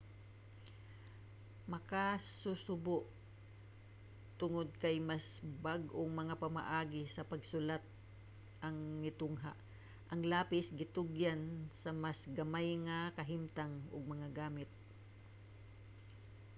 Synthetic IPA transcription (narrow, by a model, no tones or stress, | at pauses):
mɐkasusʊbʊʔ | t̪ʊŋod̪̚kɐjmasbaɡʔoŋmɐŋapɐma̰ʔaːɡɪsɐpɐɡsʊlat̪̚ | ʔɐŋmɪt̪ʊŋɦa̰ʔ | ʔɐŋlaːpɪsɡɪt̪ʊɡjansɐmasɡɐmajŋɐkɐɦɪmt̪aŋʊ̰ɡ̚mɐŋaɡaːmɪt̪̚